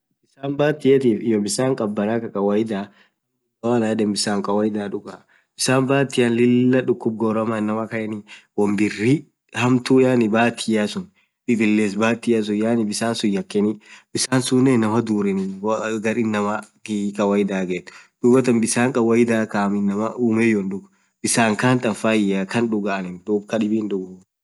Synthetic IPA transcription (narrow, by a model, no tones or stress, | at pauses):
bɪsaːnbaːt̪ːɪjɐt̪iːfɪjɔbɪsaːŋkʼɐbːɐnaːkɐkʼɐwɐjɪd̪aː | ɐwaːnaːdɛmbɪsaːŋkʼɐwɐjɪd̪aːᶑʊkaː | b̥ɪsaːmbaːt̪ːɪjɐnlɪlːɐᶑʊkːʊb̚ɡɔːɾɐmanːɐmɐkɐjɛniwɐmbɪrːi | hɐmt̪ujanɪbaːt̪ʰːɪjasʊn | ɪd̪ɪlːeːs̬baːt̪ɪjas̬ʊjaːnɪbɪsaːnsʊjːɐkːɛnibɪsaːnsʊneːnɐmɐd̪uːɾɛnɪɡɐɾɪnːɐmɐɡikʼɐwɐjɪd̪aːɡeːt̪ːd̪̥ʊbɐt̪ɐmbɪsaːŋkʼɐwɐjɪd̪aːkaːmɪnːɐmɐuːmɛjɔnᶑʊɡ | b̥ɪsaːŋkaːnt̪ʼɐfaːjakɐnᶑʊɡaːnɪnd̪ʊbkɐᶑɪbiːnᶑ̪ʊɡʊ